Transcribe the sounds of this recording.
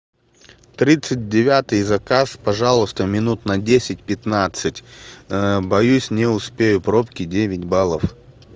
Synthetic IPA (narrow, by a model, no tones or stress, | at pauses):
t̪ɾʲit̪sɨt̚ʲdʲɪvʲat̪ɨjzɐkaspɐʐalˠʊst̪əmʲɪnut̪nɐdʲesʲɪt̚ʲpʲɪt̪nat̪sɨtʲ | bɐjusʲnʲɪʊspʲejʊpɾopkʲɪdʲevʲɪtʲbalˠəf